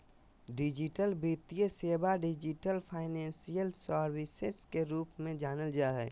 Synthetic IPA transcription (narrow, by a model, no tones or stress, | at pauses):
ɖid͡ʒiʈəlbit̪ijəseːbaɖɪd͡ʒiʈəlpʰaːɪnɛ̃ːnsijəlsəɾwiseskeɾuːpmẽd͡ʒaːnəld͡ʒaɦɛː